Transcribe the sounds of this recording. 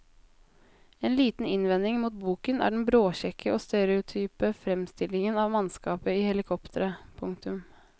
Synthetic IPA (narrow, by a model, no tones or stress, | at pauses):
eːnliːt̪n̩ɪnʋɛnd̪ɪŋmuːt̪̚buːkənæ̰ːɖɛnbɾoːçɛkʰːəʔoːst̪ɛɾɛʊt̪ʰyːpəfɾɛmst̪ɪlɪŋənɑʋmɑnskɑːpəiːhɛlɪkʰɔpt̪ʰəɾəpʰʊŋk̚t̪ʉm